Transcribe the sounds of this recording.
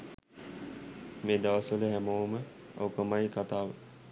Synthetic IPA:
meːd̪aʋəsʋələɦæmoːmə | o̰wkəmajkat̪aːʋə

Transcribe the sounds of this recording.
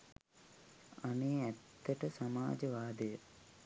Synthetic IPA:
aneːæt̪ːəʈəsamaːd͡ʒəʋaːd̪əjə

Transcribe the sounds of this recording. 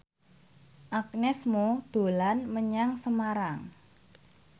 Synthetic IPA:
ʔak̚nɛsmod̪̥o̤lanməɲaŋsəmaɾaŋ

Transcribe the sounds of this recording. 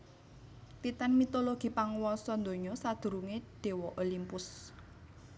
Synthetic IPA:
t̪it̪anmit̪oloɡ̥i̤paŋwɔsɔnd̪o̤ɲɔsad̪̥ṳɾuŋed̪̥e̤wɔʔolimpʊs

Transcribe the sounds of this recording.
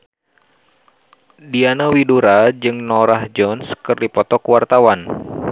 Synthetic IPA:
dianawiduɾad͡ʒɨŋnɔɾahd͡ʒɔnskɨrdipɔt̪ɔkuwart̪awan

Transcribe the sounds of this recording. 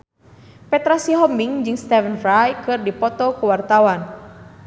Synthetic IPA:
pɛt̪ɾasiɦɔmiŋd͡ʒɨŋst̪ɛvənfɾajkɨrdipɔt̪ɔkuwart̪awan

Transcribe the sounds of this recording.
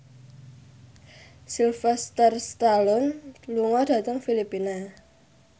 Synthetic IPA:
silfɛst̪ərst̪alɔnluŋɔd̥ä̤t̪əŋfilipina

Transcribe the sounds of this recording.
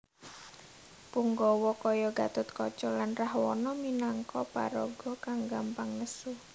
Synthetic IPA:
puŋɡɔwɔkɔjɔɡat̪ʊt̪kɔt͡ʃɔlanrahwɔ̰nɔminaŋkɔpa̰ɾɔɡ̥ɔkaŋɡampaŋləsu

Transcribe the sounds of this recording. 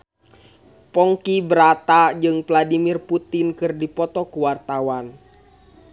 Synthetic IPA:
pɔŋkibɾat̪ad͡ʒɨŋpladimirput̪inkɨrdipɔt̪ɔkuwart̪awan

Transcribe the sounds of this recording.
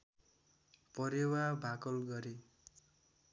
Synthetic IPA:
pʌɾewabʱakʌlɡʌɾe

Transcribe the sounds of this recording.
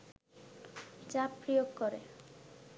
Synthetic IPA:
d͡ʑapːɾijoɡkoɾe

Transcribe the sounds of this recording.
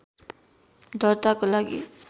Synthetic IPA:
d̪ɔɹt̪akolaɡḭ

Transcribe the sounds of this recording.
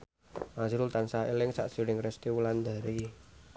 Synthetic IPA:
masiɾult̪ansaḛlɪŋsa̰ʔsiɾɪŋrɛst̪iwuland̪a̤ɾi

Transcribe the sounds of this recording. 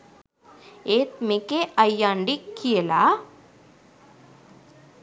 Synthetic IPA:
eːt̪mekeʔɐjãːɳɖikːijela

